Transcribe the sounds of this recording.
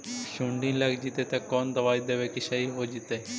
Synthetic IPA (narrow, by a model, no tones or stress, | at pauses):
ʃũːɳɖĩːlɐɡd͡ʒit̪eːt̪ɐkoːnd̪ɐʋaːid̪eːʋeːkiʃɐiɦoːd͡ʒɪt̪eː